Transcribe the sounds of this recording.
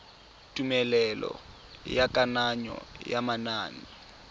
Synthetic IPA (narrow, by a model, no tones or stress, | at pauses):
tʼumɛlɛlɔ̰ | jakʼanaɲɔ̰jamanaːni